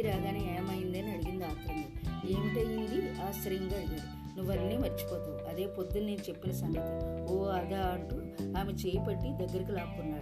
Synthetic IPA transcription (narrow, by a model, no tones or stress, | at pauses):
ɾaːɡaːnieːmɐjind̪ɐːniɐɽiɡind̪aːkuund̪ieːmiʈɐjid̪iaːsɐɾjɐŋɡaːileːd̪u | nuʋːɐnːiːmɐɾt͡ʃi̥poːt̪uɐd̪e̞ːpod̪ːunne̞ːnut͡ʃe̞pːinɐsɐŋɡɐt̪ioːɐd̪aːɐɳʈu | aːmet͡ʃeːjɐpɐʈːid̪ɐɡːɐɾikilaːkunːaːɽu